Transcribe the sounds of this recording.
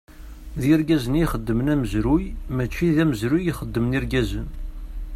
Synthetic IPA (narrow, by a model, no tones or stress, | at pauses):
ðiɾɡæzəniχəd̪ːəmnæməzɾujmæt͡ʃːiðæməzɾujiχəd̪ːəmniɾɡæzən